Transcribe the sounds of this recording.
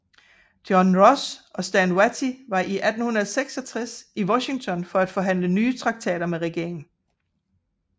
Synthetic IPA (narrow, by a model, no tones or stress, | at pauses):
d̥jɒnʁɒsʔɒ̽sd̥ænwæt͡sʰiʋɑ̈ʔiʔæd̥n̩hunɐðˠseɡ̥sɒ̽t͡sʰʁɛsiwɒɕi̝ŋt͡sʰɒ̽nfɒ̽æd̥fɒ̽ɦæn̰lənyːt͡sʰʁɑ̈ɡ̥̚t͡sʰɛ̰ːɾ̥ɐmeʁɛɡ̥e̝̰ɐ̰e̝ŋn̩